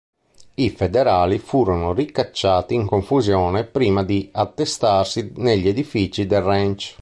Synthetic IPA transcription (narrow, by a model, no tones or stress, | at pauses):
ifɛd̪eɾaːlifuːɾonorikːat͡ʃːaːt̪iːŋkoɱfuzjɔːnɛpɾiːmad̪iat̪ːest̪arsineʎːed̪ifiːt͡ʃid̪ɛrːɛnt͡ʃ